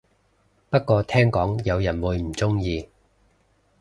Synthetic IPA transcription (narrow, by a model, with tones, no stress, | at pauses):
pɐ˥t̚kɔː˧t̪ʰɛː˥ŋkɔː˨˥ŋjɐ˨˧wjɐ˨˩nwuː˨˧jm̩˨˩t͡sʊ˥ŋjiː˧